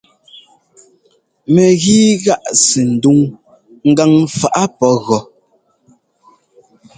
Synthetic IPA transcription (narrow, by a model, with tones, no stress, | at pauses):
mɛ˨ɣiː˦ɣa˦ʔsi˨n̩˨du˦ŋ | ŋ̩˦ɡa˦ŋfa˨ʔa˦pɔ˦ɣɔ˨